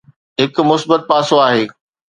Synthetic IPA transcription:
ɦɪkʊmʊsbət̪̚paːsoaːɦeː

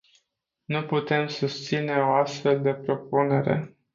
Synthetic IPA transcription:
nuput̪e̞msust̪sine̞o̞ast̪fe̞ld̪e̞pɾo̞pune̞ɾe̞̰

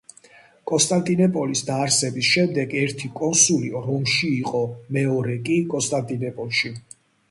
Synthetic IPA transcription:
kʼɔnst̪ʼant̪ʼinɛpʼɔlisd̪aːɾsɛbisʃɛmd̪ɛɡɛɾt̪ʰikʼɔnsuliɾɔmʃiːqʼɔmɛɔɾɛkʼikʼɔnst̪ʼant̪ʼinɛpʼɔlˠʃi

